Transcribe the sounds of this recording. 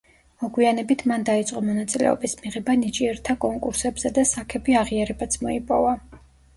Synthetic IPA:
mɔɡwianɛbit̪ʰmand̪ait̪sʼqʼɔmɔnat̪sʼilɛ̰ɔ̰bismiʁɛbanit͡ʃʼiɛɾt̪ʰakʼɔŋkʼuɾsɛbz̥ɛd̪asakʰɛbiaʁiaɾɛbat̪sʰmɔipʼɔva

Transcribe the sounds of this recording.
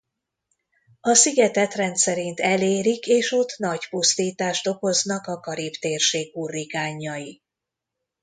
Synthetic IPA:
ɒsiɡɛt̪ɛt̪rɛnt̪sɛɾint̪ɛleːɾikeːʃo̞t̪ːnɒɟpust̪iːt̪aːʃt̪o̞ko̞znɒkɒkɒɾipt̪eːrʃeːɡuːrːikaːɲːɒji

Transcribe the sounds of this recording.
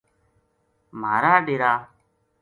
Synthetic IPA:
m̤aːɾaːɗɪɾaː

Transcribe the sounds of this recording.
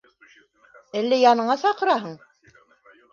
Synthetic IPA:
ælːæjɑnɤ̆ɴɑsɑqɤ̆ɾɑɦɤɴ

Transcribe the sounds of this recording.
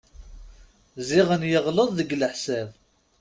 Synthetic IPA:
ziʁənjəʁləðˤðəɡləħsæv

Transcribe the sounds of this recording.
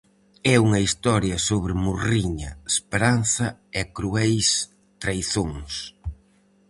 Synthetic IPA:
ɛuŋɐist̪ɔɾjɐsoβɾɪmuriɲɐespeɾan̟θɐɛkɾuɛjs | t̪ɾajθoŋs

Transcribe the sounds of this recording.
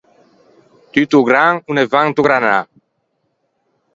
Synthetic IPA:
t̪yt̪uɡɾaŋunevãŋt̪uɡɾana

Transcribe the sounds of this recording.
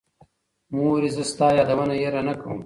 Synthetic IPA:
mũwɐɾizɐst̪aːjaːd̪ɐwɐnajeɾanɐkɐwṵm

